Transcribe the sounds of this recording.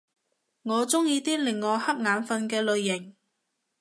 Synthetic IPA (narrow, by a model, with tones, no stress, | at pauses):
ŋɔː˨˧t͡sʊ˥ŋjiː˧t̪iː˥lɪ˨˩ŋːɔː˨˧˥hɐ˥p̚ŋaː˨˧nfɐ˧nkɛː˧lɵ˨˧ɥːɪ˨˩ŋ